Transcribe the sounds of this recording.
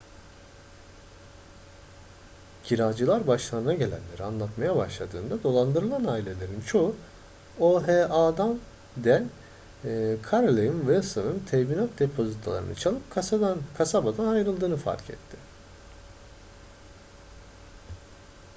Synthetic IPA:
ɟʰiɾad͡ʒɯlˠaɾbaʃlˠanɯnaɟe̞lʲæ̰nlːʲe̞ɾianlˠat̪majabaʃlˠad̪ɯ̰ːnd̪ad̪o̞lˠand̪ɯɾɯlˠanaːilʲe̞lʲe̞ɾint͡ʃʰo̞u | oɦeʔaːd̪an | d̪ænʲ | kʰaɾlʲˠejɯnvɛsɯnɯnt̪ʰɛminat̪̚d̪e̞pʰo̞zit̪ʰlˠa̰ɾɯ̰na̰t͡ʃʰalˠɯp̚kʰasad̪ankʰasabad̪anajɾɯlˠd̪ɯːnɯfa̰ɾcʰɛ̰t̪ʰːɪ

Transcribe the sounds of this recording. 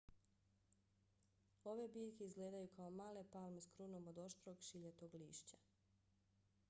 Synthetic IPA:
o̞ʋebiːʎkeizɡle̞ːd̪ajukaomaːle̞palˠmeskɾunomod̪o̞ʃt̪ɾo̞ɡʃiʎet̪oɡlḭːʃt͡ɕa

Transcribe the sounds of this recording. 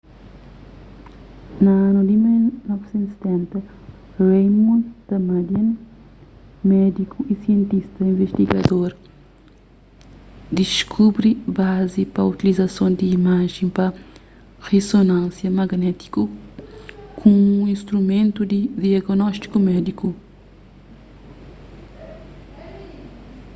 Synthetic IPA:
nɐanud̪imilnɔvsẽnt̪set̪ɛ̃nt̪ɐ | rejmũnd̪̥ɐmad̪iɐ̃n | mɛd̪ikuisiẽnt̪ist̪ɐĩveʃt̪iɡɐd̪oɾ | d̪iʃkʰubɾibazipɐut̪ilizɐsõnd̪iːmaʒẽpɐ | ʁesonãnsjɐmɐɡnɛt̪i̥ku | kʰũũĩst̪ɾumẽnt̪ud̪id̪iaɡnɔʃt̪i̥kumɛd̪iku

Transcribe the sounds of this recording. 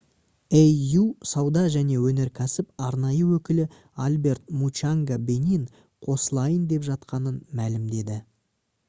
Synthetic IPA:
ejusɑwd̪ɑʒæne̞wɵne̞ɾkʲʰæsɪpɑɾnɑjəwɵkʲɪlɪ | albe̞ɾt̪̚mut͡ʃaŋɡabe̞nʲin | qʰo̞səlˠɑjənd̪e̞pʒɑt̪qɑnənmælɪmd̪e̞d̪ɪ

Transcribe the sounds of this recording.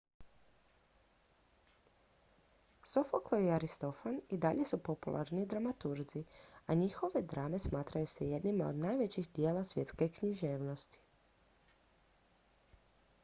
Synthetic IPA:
sofoklˠojeaɾist̪o̞fanid̪aʎe̞supo̞pulʔa̰ɾnid̪ɾamat̪uɾd̪ziaɲixo̞ʋe̞d̪ɾame̞smaːt̪ɾajuseje̞d̪nimao̰d̪naːjʋet͡ɕixd̪jeːlasʋje̞t̪ske̞kɲiʒeːʋno̞st̪i̥

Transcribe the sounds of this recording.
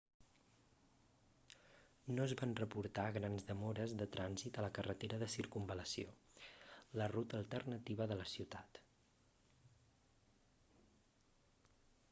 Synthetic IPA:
nozβanrəpuɾt̪aɣ̞ɾanzðəmoɾəzðət̪ɾanzit̪ələkərət̪eɾəðəsiɾkumbələsio | lərut̪əlˠt̪ərnət̪iβ̞əðələsiwt̪at̪

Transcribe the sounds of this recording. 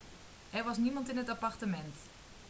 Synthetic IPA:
ʔɛrʋɑs̬nimɑntɪnɦətapartəmɛnt

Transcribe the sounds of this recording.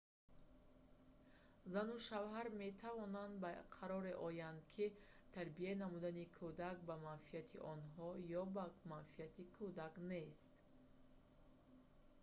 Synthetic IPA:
zanuʃavɦaɾme̞t̪ʰavɔnand̪baqʰaɾɔɾe̞ʔɔjand̪kʰit̪ʰaɾbienamud̪anikʰud̪ak̚bamanfiat̪ʰiʔɔnɦɔjɔbamanfiat̪ikʰud̪akne̞st̪

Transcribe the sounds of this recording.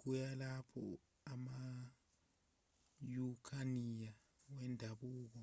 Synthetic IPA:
k̬ujalapʰɔ̰ | ama | jukʰanija | wɛndʱaɓuːk̬ɔ

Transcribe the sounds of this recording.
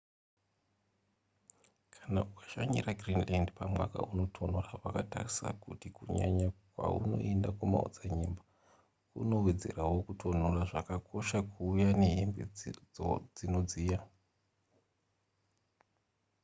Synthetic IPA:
kʰḁnaʔukḁʃaɲiraɡrinlandpamwa̰ka̰uno̞tʰo̞n̤oraʋakatarisa̰kutikuɲa̰ɲakwa̰ṵno̞̰e̞ndakumao̰d͡zaɲemba | ṵno̞we̞d͡zerawo̞kutʰo̞n̤oraʐakakʰo̞ʃakʰuːjane̞ɦembe | d͡zino̞d͡ziːja

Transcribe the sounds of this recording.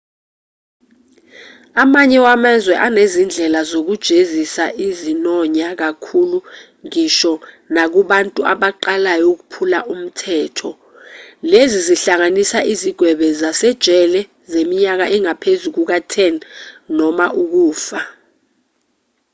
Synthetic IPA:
amaɲɛwamazwɛʔanezind͡ɮʱɛlazok̬ud̥ʒ̥ʱezisaʔizinɔɲak̬akʰulu | ŋiʃɔ | nak̬uɓantʼuaɓaǃalajok̬upʰulaʔum̩tʰɛːtʰɔ | leziziɬaŋanisaʔiziɡ̥ʱwɛɓɛzasɛd̥ʒ̥ʱɛlɛ | zemiɲak̬aʔɛŋapʰezuk̬uk̬atʰɛnnɔmaʔuk̬uːfa

